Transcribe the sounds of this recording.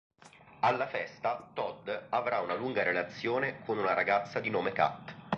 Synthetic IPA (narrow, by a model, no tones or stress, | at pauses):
alːafɛst̪at̪ɔd̪avɾaunaluŋɡaɾelat̪sːjoːnekʰonunaɾaɡat̪sːad̪inoːmeka̰t̪ː